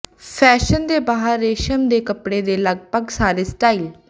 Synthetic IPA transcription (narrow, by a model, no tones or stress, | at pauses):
pʰɛːʃənd̪eːbaːɦəɾːeːʃəmd̪eːkəpɽeːd̪eːləɡ̚pəɡsaːɾeːsʈaːiːl